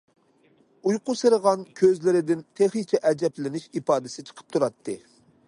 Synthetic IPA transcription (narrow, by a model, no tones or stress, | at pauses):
ujqʊsɨɾəʁɑnkʲʰøzlɪɾɪd̪ɪnt̪ʰeχit͡ʃʰɛʔɛd͡ʒɛplɪnɪʃipɑːd̪ɪsɪt͡ʃʰə̥qʰə̥p̚t̪ʰuɾɑt̪ʰːɨ